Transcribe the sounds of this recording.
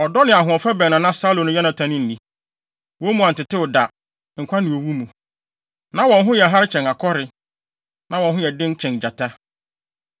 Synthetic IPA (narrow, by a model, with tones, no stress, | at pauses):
ɔ˨dɔ˦nɪ̃˨a˨ɦʊ̃˨ɔ˨fɛ˦bɛ˨nã˨nã˦sa˦lõ˨nʊ̃˦jɛ˦nã˨tʰã˨˦nɪ̃˦n̩˨nĩ˨ | wɔ̃˦mũ˨ã˨n̩˨tɪ˨tɪ˦wʊ˨da˨ | ŋ̩˨kʷʰa˦nɪ̃˨o˨wu˦mũ˨ | nã˦wɔ̃˨nɦʊ̃˦jɛ˨ɦa˦ɾɪ˦t͡ɕʰɛ̃˨na˨kʰɔ˦ɾɪ˨ | nã˨˦wɔ̃˨nɦʊ̃˦jɛ˨dɪ̃˦n˦t͡ɕʰɛ̃˨nd͡ʑa˨tʰa˦